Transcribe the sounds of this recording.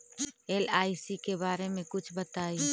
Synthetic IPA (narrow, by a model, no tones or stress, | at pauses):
eːlaːisikebaːɾemẽkʊt͡ʃʰbɐt̪aːi